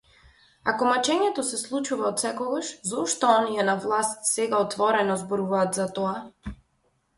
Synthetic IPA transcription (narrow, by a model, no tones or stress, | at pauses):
akɔmat͡ʃɛɲɛt̪ɔsɛslˠut͡ʃuvaɔt̪sɛkɔɡaʃzɔʃt̪ɔɔniɛnavlˠast̪sɛɡaɔt̪vɔɾɛnɔzbɔɾuvaːt̪zat̪ɔa